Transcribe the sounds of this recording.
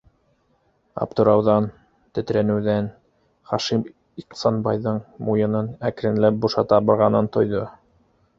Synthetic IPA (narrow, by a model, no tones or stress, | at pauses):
ɑ̰p̚t̪ŏɾɑwðɑn | t̪ɘ̆t̪ɾænɘ̆wðæn | χɑʃim | iq̪sɑnbɑjðɤɴmujɤ̆nɤnækɾɘ̆nlæp̚buʃɑt̪ɑbɤ̆ɾʁɑnɤnt̪ŏjðo